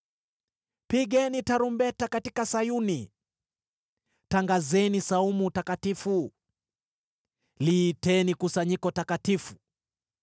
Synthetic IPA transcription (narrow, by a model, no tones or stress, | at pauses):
piɠɛnitaɾumbɛtakatikasajuni | taŋɡazɛnisaumutakatifu | liːtɛnikusaɲikɔtakatifu̥